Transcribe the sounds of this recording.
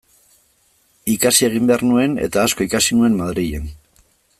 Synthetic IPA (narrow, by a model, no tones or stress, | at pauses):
ikasie̞ɣ̞imbe̞aɾrnue̞ne̞̰t̪aːsko̞ikasinue̞mmaðɾije̞̰n